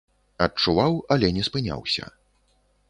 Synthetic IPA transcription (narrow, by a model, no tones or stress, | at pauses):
ɐt͡ʂuvawɐlʲɛnʲɛspɨnʲa̰wsʲɐ̰